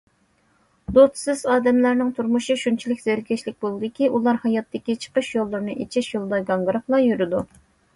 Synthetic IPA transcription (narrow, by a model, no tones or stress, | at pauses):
d̪ot̪sɨzɑːd̪ɛmlæɾnɪŋt̪ʰuɾmuʃiʃunt͡ʃʰilɪkʲz̥ɪɾɡʲɛʃlɪk̚ʲbolˠɨd̪ɪkʲiʔulˠɑɾhɑjɑt̪ːɪkʲit͡ʃʰə̥qəʃjolˠːɨɾnɨʔet͡ʃʰiʃjolˠd̪ɑɡɑnɡɾɨχlˠɑjyɾɪd̪u